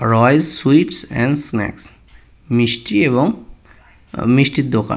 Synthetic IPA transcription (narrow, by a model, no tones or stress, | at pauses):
ɾɔjzswiʈsɛ̰̃nɖsnɛ̰ks | misʈiebɔŋ | misʈit̪̚d̪oka̰n